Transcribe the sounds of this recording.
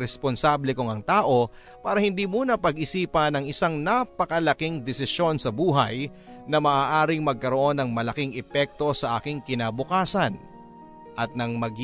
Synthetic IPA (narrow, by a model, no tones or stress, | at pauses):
ɾɛsponsablɛkʊŋɐŋt̪aːʔo̞ | paːɾɐhɪnd̪iːmuːnɐpɐɡʔɪsiːpɐnɐŋɪsaŋnapɐkɐlɐkiŋd̪ɛsɪso̞nsɐbuːɦɐj | nɐmɐʔaːʔaːɾɪŋmɐɡ̚kɐɾo̞ʔo̞nːɐŋmɐlɐkɪŋʔɛpɛk̚t̪o̞sɐʔa̰ːkɪŋkɪnaːbʊkaːsɐn | ʔɐt̪̚nɐŋmɐɡ